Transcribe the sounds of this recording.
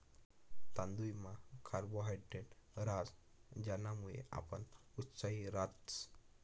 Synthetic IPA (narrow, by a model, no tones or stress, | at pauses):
t̪ãnd̪ujmakʰaɾboɦajɖeʈɾad͡z | d͡ʑanːamuɭḛa̰pənut̪saiɾat̪t͡s